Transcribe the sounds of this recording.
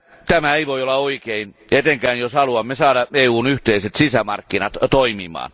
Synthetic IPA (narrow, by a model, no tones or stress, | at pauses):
t̪æmæeiʋoiolːɑoikein | et̪eŋkæːnjoshɑluɑmːesɑːɾɑeːuːnyht̪eiset̪sisæmɑ̰rkːinɑt̪t̪oimimɑ̰ːn